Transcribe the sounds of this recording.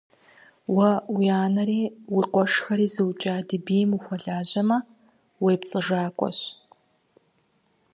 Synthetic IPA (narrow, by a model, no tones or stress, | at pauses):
wɐwiaːnɐɾiːwiqʷɔʂxɐɾiːzɨwt͡ʃʼaːdɨbiːmuxʷɔɮaːʑɐmɐ | wejpt͡sʼɨʐaːkʷʼɔ̰ɕ